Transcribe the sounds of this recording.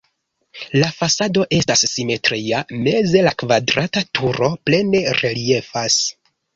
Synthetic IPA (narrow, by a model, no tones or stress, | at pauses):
lafasado̞ʔe̞stasːime̞tɾiame̞ze̞lakvadɾatatuɾo̞ple̞ne̞ɾelije̞fas